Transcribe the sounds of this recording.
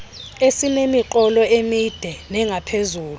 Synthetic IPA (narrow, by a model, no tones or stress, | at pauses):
esinemiǃɔlɔemid̥ʱɛnɛŋapʰezuːlu